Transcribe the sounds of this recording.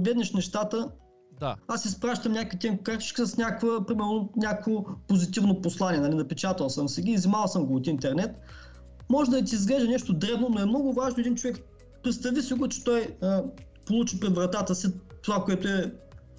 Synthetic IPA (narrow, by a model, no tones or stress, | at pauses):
lɛd̪nɛʃnɛʃt̪at̪ə | aasispɾaʃt̪əmnʲakət̪ʲɛnkaɾt̪i̥t͡ʃksəsnʲakvəpɾimɛɾnonʲakvopozit̪ivnoposlˠanʲiɛnalinɐpɛt͡ʃat̪əlˠsəmsiɡʲiːzimalˠsəmɡoːt̪int̪ɛɾnɛt̪ | mɔʒɛd̪ɐt̪̬iːzɡlɛʒɛnɛʃt̪od̪ɾɛvnonoɛmnɔɡʊvaʒnoɛd̪int͡ʃovɛk | pɾɛt̪st̪ɐvisiɡʊt͡ʃɛ̥t̪ɔjə | polˠut͡ʃipɾɛd̪vɾɐt̪at̪əsit̪ovakoɛt̪ʊɛ